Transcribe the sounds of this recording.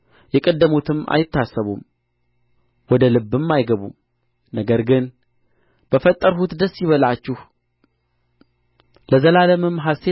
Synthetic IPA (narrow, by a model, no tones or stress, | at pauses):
jɛkʼəd̪ːəmut̪ʰɨma̰jɪt̪ːasːəβṵm | wɔd̪əlɨbːɨmːajɡəβṵm | nəɡəɾɡɨn | b̥əfət̪ʼːəɾɦut̪d̪əsːjɪβəlat͡ʃːɪh | ləzəlaləmɨmɦast̪ʰe